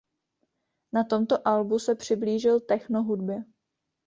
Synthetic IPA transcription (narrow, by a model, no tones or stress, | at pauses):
nat̪o̞mt̪oʔalbusɛpr̝̥ɪbliːʒɪlt̪ɛxnoɦudbjɛ